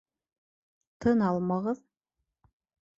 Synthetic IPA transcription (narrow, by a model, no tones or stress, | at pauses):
t̪ʰɤnɑlˠmɑʁɤð